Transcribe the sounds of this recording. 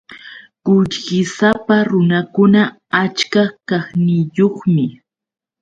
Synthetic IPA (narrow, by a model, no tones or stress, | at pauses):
kʊʎɢɪsapaɾʊnakʊna | at͡ʃkakaχnɪjoχmɪ